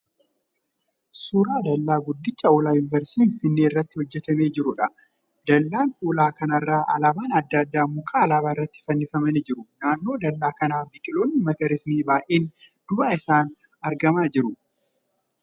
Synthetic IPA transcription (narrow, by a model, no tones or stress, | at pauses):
suːɾaːd̪ɐlːaːɡʊd̪ːɪt͡ʃʼːɐoːlaːjʊnɪvɛɾsiːnfɪnːeːɪrːɐt̪ːɪhɔd͡ʒːɛt̪ɐme̞ːd͡ʒɪɾʊᶑɐ | d̪ɐlːaːnʔuːlaːkɐnɐrːaːʔɐ̰laːbaːnɐd̪ːaːd̪ːaːmʊkʼaːlaːβaːɪrːɐt̪ːɪ̥fɐnːɪfɐmɐnɪd͡ʒɪɾʊnaːnːo̞ːd̪ɐlːaːkɐnaːbɪkʼɪloːnːɪmɐkɐɾɪsniːbaːʔeːn | d̪̥ʊbaːɪsaːn | ɐɾɡɐmaːd͡ʒɪɾʊ